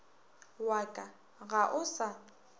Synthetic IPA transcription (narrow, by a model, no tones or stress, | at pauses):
wakʼa | ɣaʔʊsa